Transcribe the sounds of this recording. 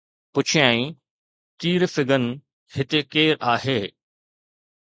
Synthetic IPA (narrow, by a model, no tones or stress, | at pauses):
pʊt͡ɕʰijaːĩ | t̪iːɾfɪɡənɪ̆ | hɪt̪ekeːɾaːɦeː